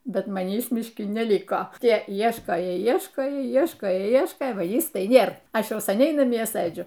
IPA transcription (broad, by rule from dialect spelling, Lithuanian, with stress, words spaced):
ˈbʲɛt mɐˈnʲiːs mʲɪʃʲˈkʲɪ nʲɛˈlʲɪkoː ˈtʲiɛ ˈiɛʃkoːjoː ˈiɛʃkoːjoː ˈiɛʃkoːjoː ˈiɛʃkoːjoː ˈʋɐ ˈjɪs tɐɪ ˈnʲeːr ˈɐʃ ˈjɛʊ sɐˈnʲɛɪ nɐˈmʲiɛ ˈsɘd͡ʒʲʊ